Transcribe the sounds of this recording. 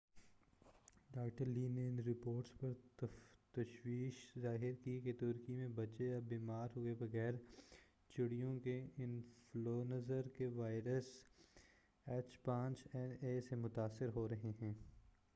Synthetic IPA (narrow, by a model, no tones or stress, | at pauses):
ɖaːkʈəɾliːneɪnɾɪpoːɾʈspɐɾ | t̪ɐʃwiːʃzaːɦɪɾkiket̪ʊɾkimẽbɐt͡ʃejabiːmaːɾɦoːebɐɣɛːɾ | t͡ʃɪɽijõkeɪnfloːnɐzəɾkeʋaːɪɾəs | ɛt͡ʃpãːt͡ʃɛneːsemʊt̪aːsːɪɾɦoːɾɐɦeɦɛ̃ː